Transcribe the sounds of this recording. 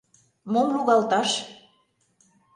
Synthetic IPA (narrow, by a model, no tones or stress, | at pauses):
momluɣɑlt̪ɑʃ